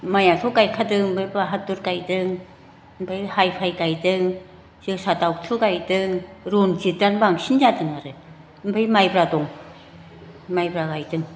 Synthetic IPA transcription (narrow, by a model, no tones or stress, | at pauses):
majat̪ʰukajkʰatɯŋm̩bəjpɾaɦat̪ːut̚kajtɯŋ | m̩pʰəjhajfʰajkajtɯŋ | t͡ʃɯsat̪awk̚t̪ʰukajtɯŋɾunt͡ɕit̚danbaŋsind͡ʒatɯŋaɾɯ | m̩pʰəjmajpɾat̪uŋ | majpɾakajtɯŋ